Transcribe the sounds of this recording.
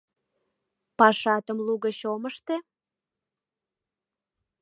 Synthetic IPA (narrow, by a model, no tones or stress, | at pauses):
pɑʃɑt̪əmluɣəɕoməʃt̪e